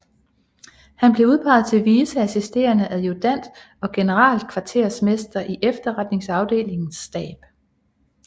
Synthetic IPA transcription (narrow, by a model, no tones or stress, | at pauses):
hænb̥le̝uð̞ˠpʰɑ̈ɪð̞̩ˠt͡sʰe̝ʋiːsəæsisd̥e̝̰ːɐnəʔæðˠjod̥æn̰̥ | ɒ̽ɡ̥e̝nəʁɑ̰̈ːld̥̚kʰʋɑ̈t͡sʰe̝ɐsme̝sd̥ɐʔiʔefd̥ɐʁad̥ne̝ŋsɑ̈ʊd̥e̝̰ːle̝ŋn̩sd̥ɛ̰ːb̥